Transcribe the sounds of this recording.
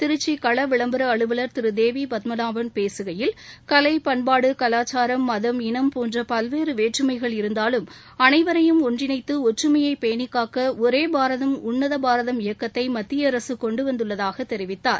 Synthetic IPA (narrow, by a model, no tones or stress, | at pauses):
t̪ɪɾɯt͡ʃːikɐɭɐʋɪɭɐmbɯɾɐːɭɯʋɐlɐɾt̪ɪɾɯd̪eːʋipɐt̪mɐnaːʋɐnpeːsɯɣɐjɪlkɐlɐɪpɐɳbaːɽɯkɐlaːt͡ʃːaːɾɐmːɐðɐmɪnɐmpoːndrɐpɐlʋeːɾɯʋeːʈrɯmɐɪɣɐɭɪɾɯnd̪aːlɯm | ɐnɐɪʋɐɾɐjɯmɔndrɪnɐɪt̪ːɯɔʈrɯmɐjɐɪpejnɪkːaːkɐɔɾeːbaːɾɐðɐmʊɳːɐðɐbaːɾɐðɐmɪjɐkːɐt̪ːɐɪmɐt̪ːɪjɐɐɾɐsɯkɔɳɖɯʋɐnd̪ɯɭːɐðaːɣɐt̪ːɛɾɪʋɪt̪ːaːɾ